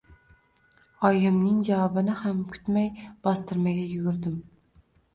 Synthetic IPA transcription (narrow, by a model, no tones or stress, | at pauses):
ɒjɪmnɪŋd͡ʒavɒbɪnɪhamkʲʰʊ̥t̪majb̥ɒst̪ɪɾmaɡʲajʊɡʲʊɾd̪ɪm